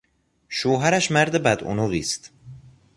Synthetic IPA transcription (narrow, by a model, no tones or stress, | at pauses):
ʃoːɦæɾæʃmæɾd̪ebæd̪o̰noɣḭːst̪